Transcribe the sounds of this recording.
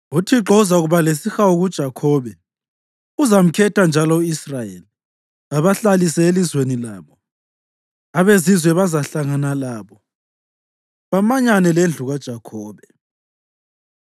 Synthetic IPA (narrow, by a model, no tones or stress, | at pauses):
utʰiǁɔzauɣuβales̬ixawuɣud̥ʒ̥ʱakʰɔβɛ | uzam̩kʰɛtʰand͡ʒʱalɔuisrajeli | aβaɬalisɛelizwenilaːβɔ | aβezizwɛβazaɬaŋanalaːβɔ | βamaɲanɛlend͡ɮʱuɣad̥ʒ̥ʱakʰɔːβɛ